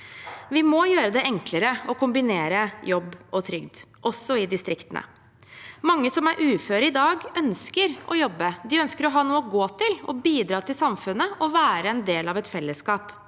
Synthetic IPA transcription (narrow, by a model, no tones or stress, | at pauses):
ʋɪmɔjøːɾəd̪ɛʔɛŋkləɾəɔkʊmbɪneːɾəjɔbːɔt̪ʰɾʏɡd̪ʔɔsːɔɪd̪ɪst̪ɾɪkt̪ənə̰ | mɑŋːəsɔmæɾʔʉːføːɾəɪd̪ɑːɡœnskəɾɔ̰jɔbːəd̪ɪœnskəɾɔɦɑːnuːəɔɡoːt̪ɪlɔ̰biːd̪ɾɑːt̪ʰɪlsɑmfʉnːəɔʋæːɾəɛnd̪eːlɑʋɛt̪fɛlːəskɑːp